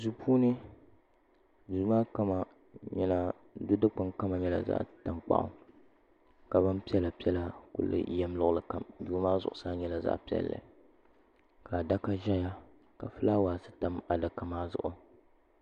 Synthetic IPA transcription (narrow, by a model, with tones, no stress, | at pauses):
zu˨pʰuː˦nɨ˦ | du˨˦maː˦ka˦ma˨ | ɲɛ˦la˦ | dʊ˦dɨ˦k͡pa˦ŋka˦ma˨ɲɛ˦la̰˨za̰˦ʔta˨mk͡pa̰˦ʔʊ̰˨˦ | ka˨ba˦npi˦ɛ˦la˨pi˦ɛ˦la˨kʊ̰˨lːɨ̰˨jɛ˦m˦lʊ˦ʔlɨ˨ka˨mduː˨˦maː˦zʊ̰˨ʔʊ˨saː˦ɲɛ˦la˨za̰˦ʔpi˦ɛ̰˦lːɨ̰˨ | ka˨da˦ka˦ʒɛ˦ja˦ | ka˨fɨ˦la˦waː˨sɨ˦ta˦ma˨da˨ka˦maː˦zʊ̰˨ʔʊ˨